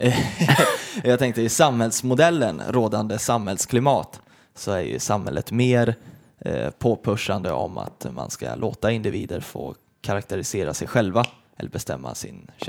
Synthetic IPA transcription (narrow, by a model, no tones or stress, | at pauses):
jɑːɡt̪ʰɛŋk̚t̪əɪsamhɛlsmʊd̪ɛlːənɾoːd̪and̪əsamhɛlskʰlɪmɑːt̪ | sɔæɾjɵ̰samhɛlːət̪meːɾ | pʰoːpʰɵʂand̪əɔma̰t̪ma̰nskalʔoːt̪aɪnd̪ɪviːd̪əɾfo̰ː | kʰaɾak̚t̪əɾɪseːɾasɛjɧɛlva | ɛlːəɾbɛst̪ɛmːa̰sɪ̰n